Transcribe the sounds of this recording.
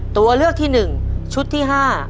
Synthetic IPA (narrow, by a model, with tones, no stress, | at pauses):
t̪u˧ɐlɯ˥˩ək̚t̪ʰiː˥˩nɯ˨˩ŋt͡ɕʰu˦˥t̪ʰːiː˥˩ɦaː˥˩